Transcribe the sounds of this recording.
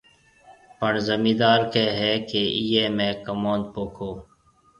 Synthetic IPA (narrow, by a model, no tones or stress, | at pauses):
pəɳzəmiːd̪aːɾkeɦɛːkeijeːmɛ̃ːkɐmoːn̚poːkʰoː